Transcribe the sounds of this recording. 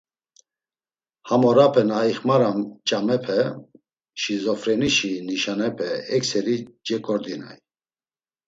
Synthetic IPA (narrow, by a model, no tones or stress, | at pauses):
hamɔɾapʰɛnaiχmaɾamt͡ʃʼamɛpʰɛ | ʃizɔfɾɛniʃiniʃanɛpʰɛɛksɛɾid͡ʒɛkʼɔɾd̪ina̰j